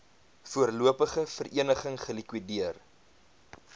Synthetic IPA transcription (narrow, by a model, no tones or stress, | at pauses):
fuərluəpəχəfərʔiənəχəŋχəlikwidiər